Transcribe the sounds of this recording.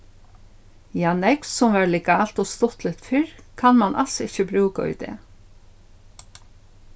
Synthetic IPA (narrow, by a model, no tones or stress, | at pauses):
jaːnɛkssʊmʋæːɹlɛkaːl̥t̪ɔst̪ʊht̪lɪt̪fɪɹkʰanmanʔa̰lsɪçəbɾʉːkaʊ̰d̪ɛ̰ː